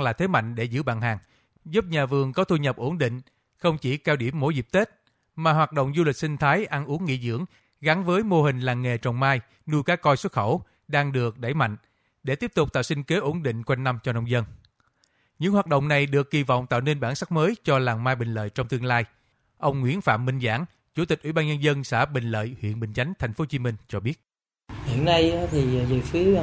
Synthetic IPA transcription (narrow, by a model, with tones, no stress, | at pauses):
laː˨˩t̪ʰe˨˦ma̰˧˨jŋ̟ɗe˧˩zɨ̰˧˥ɓa̰ː˧˨nɦaː˨˩ŋ | zu˦˥p̚ɲaː˨˩vɨ˨˩əŋkɔ˨˦t̪u˧ɲə˨˩p̚ʔo˧˩nɗḭ˧˨ŋ̟ | xə˧wŋ͡mt͡ɕi˧˩kaː˧wɗi˧˩əmːo˧˦jzi˨˩p̚t̪e˦˥t̚ | maː˨˩ɦwaː˨˩t̚ɗo̰˧˨wŋ͡mzu˧li˨˩k̚sï˧ŋ̟t̪ʰaː˨˦jʔa˧nʔu˨˦əŋːḭ˧˥zɨ̰˧˥əŋ | ɣa˨˦ŋvəː˨˦jmo˧hï˨˩ŋ̟laː˨˩ŋŋːe˨˩t͡ɕɔ˨˩wŋ͡mmaː˧j | nu˧jkaː˦˥kːɔ˧jswə˦˥t̚xə˧˩w | ɗaː˧ŋɗɨ˨˩ək̚ɗa˧˩jma̰˧˨jŋ̟ | ɗe˧˩t̪i˦˥əp̚t̪ʊ˨˩k͡pt̪aː˧˨wsï˧ŋ̟ke˨˦ʔo˧˩nɗḭ̈˧˨ŋ̟kwa˧jŋ̟na˧mt͡ɕɔ˧nɔ˧wŋ͡mzə˧n | ɲɨ̰˧˥ŋhwaː˨˩t̚ɗə̰˧˨wŋ͡mna˨˩jɗɨ˨˩əkːi˨˩vɔ̰˧˨wŋ͡mt̪a̰ː˧˨wne˧nɓaː˧˩nsa˦˥k̚məː˨˦jt͡ɕɔ˧laː˨˩mmaː˧jɓï˨˩ŋ̟lə̰ː˧˨jt͡ɕɔ˧wŋ͡mt̪ɨ˧əŋlaː˧j | ʔə˧wŋ͡mŋwḭ˧˥ənfa̰ː˧˨mːï˧ŋ̟za̰ː˧˩ŋ | t͡ɕu˧˩t̪ï˨˩k̟̚wi˧˩ɓaː˧nɲə˧nzə˧nsa̰ː˧˥˩ɓï˨˩ŋ̟lə̰ː˧˨jhwḭ˧˨ənɓï˨˩ŋ̟t͡ɕa˨˦jŋ̟t̪ʰa˨˩jŋ̟fo˨˦t͡ɕi˨˦mï˧ŋ̟t͡ɕɔ˧ɓi˦˥ət̚ | hḭ˧˨ənːa˧ja˨˦t̪ʰi˨˩zɨ˨˩fi˨˦ə˧